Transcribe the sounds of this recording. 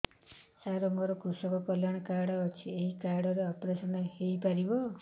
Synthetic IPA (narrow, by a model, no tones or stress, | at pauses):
saɾɔŋɡɔɾɔkusɔkɔkɔljaɽ̃ɔkaɾɽɔːt͡ʃʰieɦikaɾɽɔɾeɔpɾesɔnɔɦejpaɾibɔ